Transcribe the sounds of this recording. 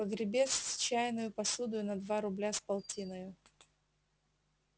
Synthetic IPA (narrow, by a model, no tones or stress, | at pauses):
pəɡɾʲɪbʲe̞st͡ɕæjɪnʊjʊpɐsud̪ʊjʊnɐd̪vaɾʊblʲaspɐlˠtʲʰinəjʊ